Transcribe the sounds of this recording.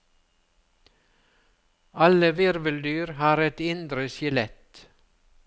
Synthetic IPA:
ɑləʋɪɾʋəld̪yːɾhɑːɾɛt̪ɪnd̪ɾəsɪlɛt̪

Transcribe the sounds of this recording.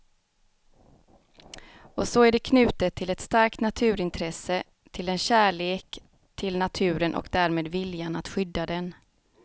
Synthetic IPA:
ɔsɔæɖɛkʰnʉ̟ːt̪ət̪ʰːɪlɛt̪st̪aɾk̚t̪nat̪ʰʉ̟ːɾɪnt̪ʰɾɛsə | t̪ʰɪlɛnɕæːɭeːk | t̪ʰɪlnat̪ʰʉ̟ːɾənʔɔ̰kd̪æːɾmeːd̪vɪljanat̪ɧʏd̪ːad̪ɛn

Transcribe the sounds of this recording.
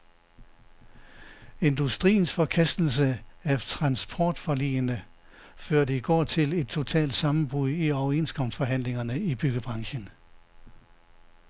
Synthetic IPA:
e̝nd̥usd̥ʁḭːn̩sfɒ̽kʰæsd̥l̩səæt͡sʰʁɑ̈nsb̥ʰɒ̰ːd̥fɒ̽lḭːənə | føɐ̰ɾəiɡ̥ɒ̰ːt͡sʰe̝le̝d̥̚t͡sʰo̝t͡sʰɛ̰ːld̥sɑ̈mn̩b̥ʁuðˠiɒʊe̝̰nskʰɒ̽m̰sfɒ̽ɦæn̰le̝ŋɐnəib̥yɡ̥əb̥ʁɑ̈ŋɕən

